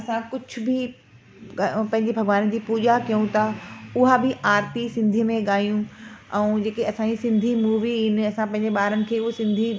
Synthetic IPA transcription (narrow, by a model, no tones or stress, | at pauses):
ɐsãkʊd͡ʑʱʊ̆bɪ | pɐ̃ɦɪ̃ɲd͡ʑebʱɐɡʋaːnd͡ʑiːpuːʄakijũt̪ʰaʊɦabɪʔaːɾpisɪ̃nd̪ʱijəmẽɠaːjũɛ̃ːd͡ʑeːkeɐsãd͡ʑisɪ̃nd̪ʱimuːʋiɪnɐsãpɐ̃ɦɪ̃ɲd͡ʑeɓaːɾənɪ̆kʰeːʊɦosɪ̃nd̪ʱi